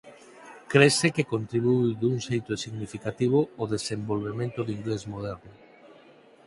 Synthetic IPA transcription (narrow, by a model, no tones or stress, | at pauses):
kɾesekekont̪ɾiβujid̪uŋʃejt̪osiɣnifikat̪iβ̞ooðesembolβemẽnt̪oðiŋɡlezmoð̞ɛɾnʊ